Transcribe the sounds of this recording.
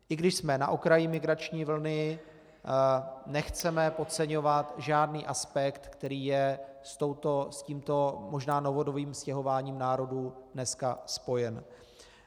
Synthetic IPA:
ʔɪɡdɪʃsmɛna̰ʔokɾajɪmɪɡɾat͡ʃɲiːvl̩nɪ | nɛxt͡sɛmɛpo̞tt͡sɛɲo̞vat̪ʒaːdniːʔaspɛkt̪kt̪ɛɾiːjɛst̪o̞wt̪o̞sciːmt̪o̞mo̞ʒnaːno̞vo̞doviːmscɛɦo̞vaːɲiːmnaːɾo̞duːdnɛskaspo̞jɛn

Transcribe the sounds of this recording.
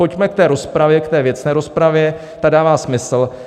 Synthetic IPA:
o̞cmɛk̚t̪ɛːɾo̞spɾavjɛkt̪ɛːvjɛt͡snɛːɾo̞spɾavjɛ | t̪adaːvaːsmɪsl̩

